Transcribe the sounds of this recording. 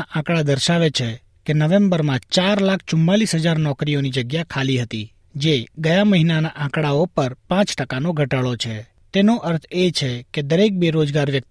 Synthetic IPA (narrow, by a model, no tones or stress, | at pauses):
aʔãkɽad̪əɾʃaʋet͡ʃʰe | kenəʋẽmbəɾmãt͡ʃaɾlakʰt͡ʃʊmːalisɦəd͡ʒaɾnɔkɾijonid͡ʒəɡjakʰaliɦət̪i | d͡ʒeɡəjãməɦinanaʔãkɽaopəɾpãt͡ʃʈəkanoɡʱəʈaɭot͡ʃʰe | t̪enoʔəɾt̪ʰet͡ʃʰeked̪əɾek̚beɾod͡ʒɡaɾʋjək̪̚